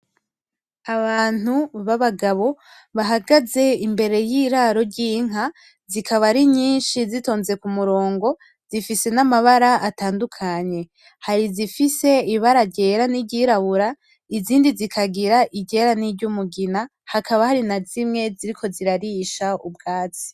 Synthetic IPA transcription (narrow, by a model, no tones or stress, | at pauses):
aβaːn̥uβaβaɡaβo̞ | βaɦaɡaze̞imbe̞ɾe̞jiːɾaɾo̞ɾɟiŋ̥a | zikʰaβaɾiɲiːnʃizito̞ːnze̞kumuɾo̞ːŋɡo̞ | z̥ifise̞namaβaɾaataːndukʰaɲe̞ | haɾizifise̞iβaɾaɟe̞ːɾaniɟiɾaβuɾa | iziːndizikʰaɡiɾaʔiɟeɾaniɟumuɡina | hakaβahaɾinazimŋe̞ziɾikʰo̞ziɾaɾiːʃaub̚ɡaːt͡si̥